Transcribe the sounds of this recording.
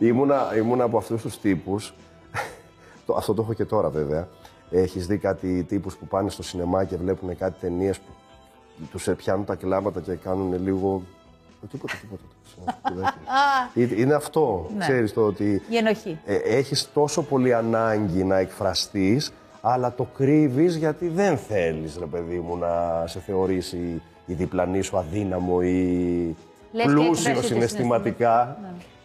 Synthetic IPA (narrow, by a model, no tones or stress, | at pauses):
imunɐimunɐːpoɐft̪ust̪ust̪ipus | t̪oɐ̰ft̪o̞t̪oexoce̞t̪o̞ɾɐve̞ve̞ɐ | e̞çizðikɐt̪it̪ipuspupɐnest̪osine̞mɐce̞vle̞pune̞kɐt̪i̥t̪e̞nie̞spu | t̪uspçɐnunt̪ɐklɐmɐt̪ɐce̞kɐnune̞liɣo̞ | t̪ipo̞t̪et̪ipot̪ɐt̪snɐoðɐeiineɐft̪o̞nkse̞ɾist̪ot̪ienoçieçist̪o̞so̞po̞liɐnɐɲɟinɐe̞kfɾɐst̪is | ɐlɐt̪o̞kɾivizʝɐt̪iðe̞nθe̞lisɾe̞pe̞ðimunɐse̞θe̞o̞ɾisiː | ðiplɐnisuɐðinɐmo̞i | plusiossinest̪imɐt̪ikɐ